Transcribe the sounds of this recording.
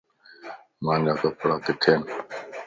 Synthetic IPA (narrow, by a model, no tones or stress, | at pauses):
mãːnd͡ʒaːkəpɽaːkɪt̪ʰeːn